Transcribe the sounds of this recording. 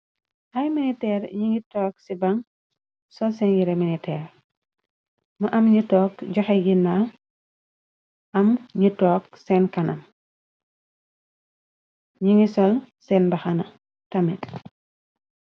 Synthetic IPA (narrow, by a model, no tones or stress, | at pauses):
hɐjminitɛːrɲiŋitɔːksibɐŋ | sɔsɛnjiɾeminitɛːr | mɐʔɐmɲitɔːkɟɔxɛɡinːa | ʔɐmɲitɔːk̚sɛːnkɐnɐm | ɲiŋisɔlsɛnbɐxɐnɐ | tɐmɛt